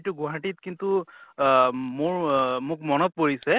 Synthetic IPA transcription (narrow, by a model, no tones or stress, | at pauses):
tʊɡuɦatit̚kintu | mʊɹmʊk̚mɔnɔt̚poɹisɛ